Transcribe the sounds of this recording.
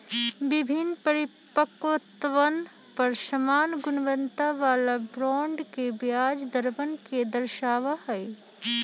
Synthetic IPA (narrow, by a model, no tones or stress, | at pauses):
ʋɪbʱɪnpɐɾɪ | pəkot̪ʋən | pɐɾʃɐmaːnɡʊnʋənt̪aʋaːlabɾɔ̃ːɳɖkebjaːd͡ʒd̪əɾbənked̪ɐɾʃaːʋahɛi